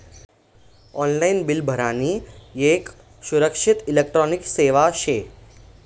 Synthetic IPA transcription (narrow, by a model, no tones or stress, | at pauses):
ɔːnlainbɪlbʱəɾaːniːek | suɾəkʃɪt̪ilek̚ʈɾɔːnikseːʋaʃeː